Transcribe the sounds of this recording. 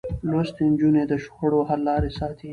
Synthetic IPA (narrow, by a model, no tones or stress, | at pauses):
lwast̪end͡ʒuned̪əʃʊxəɽoɦalːɑːɾesɑːt̪ʰi